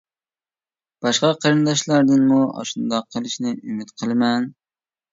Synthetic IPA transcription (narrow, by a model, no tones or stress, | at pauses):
b̥ɑʃqɑqʰɑɾɨnd̪ɑʃlˠɑɾd̪ɨnmuɑ̰ʃund̪ɑqʰːəlˠɨʃnɪymɪt̪qʰəlˠɨmɛn